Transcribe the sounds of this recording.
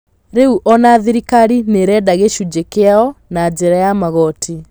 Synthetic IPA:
ɾeuʔɔnaðiɾikaɾineɾɛːdaɣeʃud͡ʒekeaɔnad͡ʒeɾajamaɣɔtʰi

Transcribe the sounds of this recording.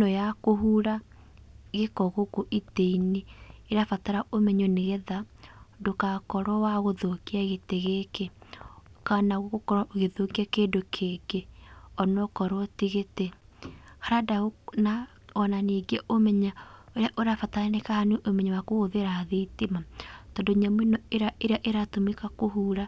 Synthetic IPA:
nɔjakoɦuɾa | ɣekɔɣokoʔiteineːɾafataɾaʔomɛɲoneɣɛðadokakɔɾwɔwaɣoðokiaɣeteɣeke | kanaɣoɣokɔɾaɣeðokiakedokʰekeɔnɔkɔɾɔtiɣete | haɾadaona | ɔnaneɡiaʔomɛɲaoɾeaʔoɾafataɾanekahaneʔomɛɲawakoɣoðeɾaðeitimatɔndoɲamwenɔeɾaʔeɾeaʔeɾatomekakoɦuːɾa

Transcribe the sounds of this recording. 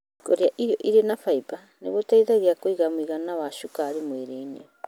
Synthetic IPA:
koɾeaʔiɾoʔiɾenapajpa | nḛβotajtaɡiakojɡamuiɡanaβasukaːɾimoeɾejnḭo

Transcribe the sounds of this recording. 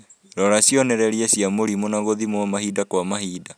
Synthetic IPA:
ɾɔɾasjɔnɛɾɛɾiasiamoɾimonaɣoðimwamahidakwamaɦiːda

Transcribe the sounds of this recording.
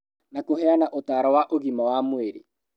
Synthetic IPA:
nakoɦɛanaʔotaːɾɔwaʔoɣimawamoeɾḛ

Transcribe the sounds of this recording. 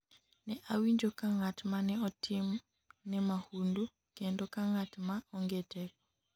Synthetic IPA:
nɛʔawiɲd͡ʒokaŋatmanɛɔtʰim | nɛmahundu | kendɔkaŋatmaɔŋɡetɛkɔ̥

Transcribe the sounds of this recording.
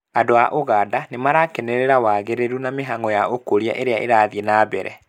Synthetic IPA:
adoaʔoɣaːdanemaɾakɛneɾeɾawaɣeɾeɾunameɦaŋɔjaokoɾia̰ʔeɾeaʔḛɾaðienaːbɛɾɛ̰

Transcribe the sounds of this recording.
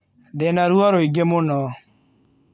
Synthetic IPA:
dɛnaɾuɔɾoiɡemonɔ

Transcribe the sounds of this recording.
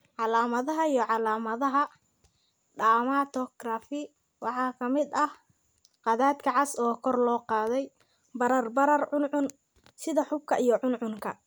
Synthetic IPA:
ʕɑlaːmɐðɐɦɐijɔʕɑlaːmɐðɐɦɐ | ɖaːmaːt̪ʰɔɡrafɪ | wɑħɑːkʰɐmɪd̪ɐh | qɑðaːd̪kʰɐʕɑsɔːkʰɔrlɔːqɑːðɛj | bɐɾɐrbɐɾɐrʕʊnʕʊn | sɪðɐħʊb̚kʰɐʔijɔʕʊnʕʊŋkʰɐ

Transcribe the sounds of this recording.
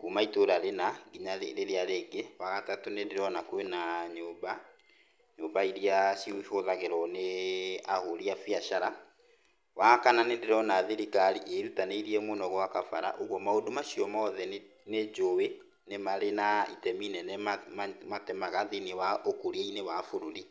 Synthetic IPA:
kumaitoɾaɾenaɡiɲaɾeɾeaɾeɡewaɣatatonendeɾɔnakoenaɲoːba | ɲoːbaiɾiasifoðaɣeɾɔneahoɾiafiaʃaɾa | wakananendeɾɔnaðiɾikaɾiʔeɾutaneiɾiɛmonɔɣwakafaɾa̰ʔoɣwɔmaodomaʃiɔmɔðɛ | ned͡ʒowe | nemaɾenaḭtɛminɛnmmatɛmaɣaðenewaokoɾieinewafoɾoɾi

